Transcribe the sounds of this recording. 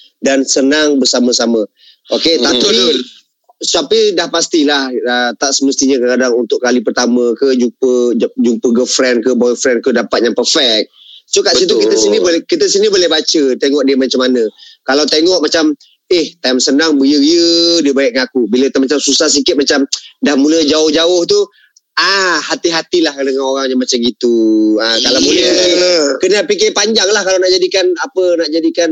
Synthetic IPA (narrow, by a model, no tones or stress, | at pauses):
dansənaŋbəsaməsamə | ʔoket̪api | sapidahpast̪ilahət̪aʔsəməst̪iɲəkəkadaŋunt̪ʊʔkalipərt̪aməkəd͡ʒupəd͡ʒumpəɡəfɾɛnkəbɔjfɾɛnkədapat̪̚jaŋpərfɛk̚sukaʔsit̪̬ukit̪əsinibolkit̪əsinibolɛhbat͡ʃət̪eŋɔʔdiəmat͡ʃamanə̃kalawt̪eŋɔʔmat͡ʃam | ɪht̪ajmsənaŋbəjəɣiədiəbaɪk̚ŋaakubiləkit̪əmat͡ʃamsusahs̬ikɪt̪̚mat͡ʃamdahmuləd͡ʒaʊhd͡ʒaʊht̪u | ahat̪iɦat̪ilahdəŋanoɾaŋjamat͡ʃaŋɡit̪uəkalawmuləkənapik̬ɪpaɲd͡ʒaŋlahkalawnaʔd͡ʒadikanapənaʔd͡ʒadikan